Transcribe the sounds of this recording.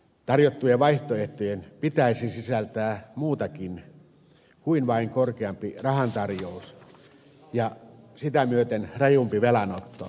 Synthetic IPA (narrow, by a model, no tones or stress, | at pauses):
t̪ɑrjot̪ːujeʋɑiht̪oeht̪ojenpit̪æisisisælt̪æːmuːt̪ɑkin | kuinʋɑiŋkorkeɑmpirɑhɑnt̪ɑrjous | jɑsit̪æmyøt̪enrejumpiʋelɑnot̪ːo̰